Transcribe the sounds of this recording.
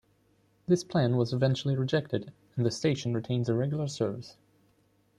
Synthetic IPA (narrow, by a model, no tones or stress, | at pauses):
ðɪspʰl̥æ̃nwʌzɨvɛ̃nt͡ʃl̩ˠiɹɨd͡ʒɛk̚tɨd | ə̃n̩ðɨsteɪʃn̩ɹɨtʰẽɪ̃nzɨɹɛɡjl̩ˠə˞sɜ˞vɨs